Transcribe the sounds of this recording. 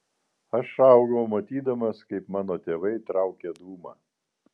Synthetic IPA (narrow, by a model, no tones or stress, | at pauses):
ɐʃɑˑʊɡɐʊmɐt̪ʲiːd̪ɐmɐskɐɪpmɑːnoːt̪ʲeːʋɐɪt̪ɾɑˑʊkʲɛd̪uːmɑ̰ː